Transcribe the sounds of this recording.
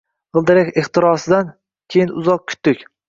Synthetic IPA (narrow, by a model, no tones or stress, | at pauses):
ʁɨlˠd̪ɪɾakʲɪχt̪ɪɾɒsɪd̪an | kʲʰejɪnʊzɒq̚kʲʰʊ̥t̪d̪ɪkʲ